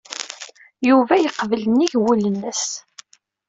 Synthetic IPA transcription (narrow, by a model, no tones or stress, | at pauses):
juvæjəqːvələniʝwulənːəs